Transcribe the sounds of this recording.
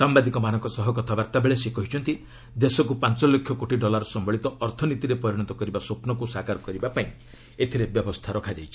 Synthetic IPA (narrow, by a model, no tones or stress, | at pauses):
sambad̪ikɔmanɔ̃ŋkɔsɔɦɔkɔt̪ʰabaɾt̪abeɭesekɔɦit͡ʃʰɔnt̪i | d̪esɔkupant͡ʃɔlːekʰjɔkoʈiɖɔlaɾɔsɔmbɔɭit̪ɔʔɔɾt̪ʰɔnit̪iɾepɔɾiɽ̃ɔt̪ɔkɔɾibasopnɔkusakaɾɔkɔɾibapaĩ | et̪ʰiɾebjɔbɔst̪ʰaɾɔkʰad͡ʒajt͡ʃʰi